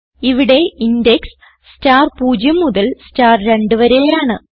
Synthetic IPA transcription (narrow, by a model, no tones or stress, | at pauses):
iʋiɽe̞indeks | staːrpuːd͡ʑjɐmːuðɐlstaːrɾe̞ɳɖɨʋɐɾeːjaːɳɨ